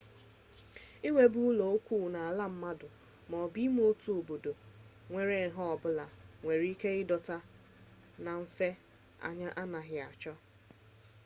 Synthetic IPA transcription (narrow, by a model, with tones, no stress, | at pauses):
ɪ˦ŋʷe˦bu˦lo˨o˦kʷuː˦˨na˨a˨la˦m̩˦ma˦dʊ˨ | mɔ˨bi˦m˦o˦tu˨o˨bo˨do˨ | ŋʷe˨ɾe˨ɦɔ˦ɔ˨bʊ˦la˨ŋʷe˨ɾi˦ke˦ɪ˦dɔ˨ta˦ | na˨m̩˦fe˦ | a̰˨ɲa˦ʔa˦na˨ɦɪ˨a˨t͡ʃɔ˦